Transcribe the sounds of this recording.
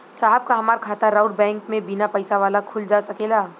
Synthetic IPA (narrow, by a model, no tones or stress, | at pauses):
saːɦəb̚kaɦɐmaːɾkʰaːt̪aɾaʊɖbɛ̃ːŋkmẽbinapɐɪsaʋaːlakʰʊld͡ʒaːsɐkelaː